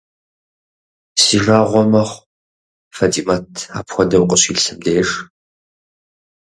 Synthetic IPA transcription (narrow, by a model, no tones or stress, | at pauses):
siʐaːʁʷɔmɐχʷ | fɐtʰʼimatʰa̰ːpxʷɔdɐwqʼəɕiːɬɨmdeːʂ